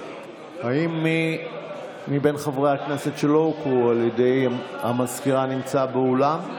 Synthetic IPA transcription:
haimːi | mibe̞nχavʁehaknesetʃelokualjede̞jhamaskiʁanimt͡sabeolam

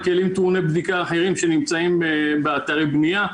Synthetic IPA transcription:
kelimt̪uʁnebd̪ikaːħeʁimʃenimt͡saimbeat̪aʁebnija

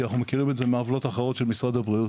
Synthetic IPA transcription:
anaχnumekiʁimetzemeavlo̞t̪aχeʁo̞t̪ʃelmisʁad̪abʁiu

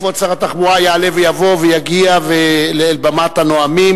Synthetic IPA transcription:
vot͡saʁat̪aχmuajaːle̞vejavo̞vejaɡiaveleːlbamatanoamim

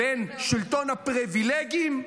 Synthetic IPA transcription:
enʃilt̪o̞nhapʁivileɡim

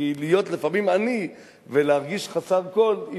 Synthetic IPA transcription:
ilijo̞t̪lefamimani | veleaʁɡiʃχasako̞li

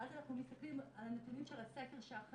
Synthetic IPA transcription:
adanaχnumest̪aklimalnat̪unjimʃelasakeʁʃaaχ

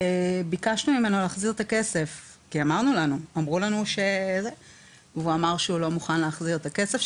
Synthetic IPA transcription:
ebikaʃnumime̞no̞laːχziʁt̪ake̞se̞f | kiamaʁnulanuamʁulanuʃeze | vuamaʁʃeulo̞muχanleːχziʁet̪ake̞sef

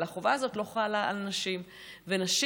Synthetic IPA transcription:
laχovaːzo̞tlo̞χalaa̰lnaʃim | venaʃ

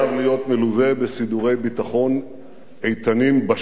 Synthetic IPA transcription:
avlijo̞tmeluve̞besid̪uʁe̞jbit̪aχo̞n | ejt̪animba

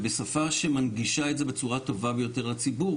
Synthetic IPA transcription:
be̞safaʃe̞manɡiʃaetze̞be̞t͡suʁato̞vabejo̞te̞ʁlat͡sibu

